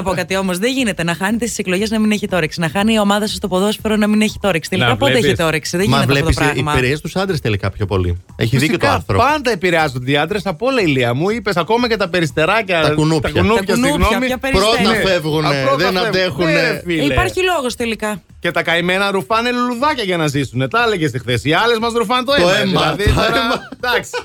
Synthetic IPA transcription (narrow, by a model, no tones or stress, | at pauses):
nɐpo̞kɐt̪io̞mo̞zðeʝine̞t̪enɐxɐnet̪esi̥sekloʝe̞znɐmine̞çit̪o̞ɾeksinɐxɐniːo̞mɐðɐsɐst̪o̞po̞ðosfoɾonɐmineçi̥t̪o̞ɾeksi̥t̪elikɐoeeçit̪oɾeksiðemɐvlɐleospɾɐɣimɐiɾeest̪usɐnd̪ɾest̪elikɐpçopo̞̰lḭ | ḛçiisðikotk̪oɐɐ̰nθɾopɐnd̪ɐepiɾeɐzod̪iɐnd̪ɾesɐpo̞lɐiliɐmuipe̞s̬ɐko̞mɐce̞t̪ɐpe̞ɾist̪e̞ɾɐcɐt̪ɐkunupt̪ɐɐkɐunupçɐsiɣnomiɐpeɾɾonɐfevɣunɾoðenɐeexunfiliepɐɾçilo̞ɣost̪elikɐ | ce̞t̪ɐkɐime̞nɐɾufɐneluluðɐcɐʝɐnɐzisune̞t̪ɐleʝest̪ixθesiɐle̞zmɐzɾufɐnt̪oeoemðɐlɐðitoɾɐd̪ɐksi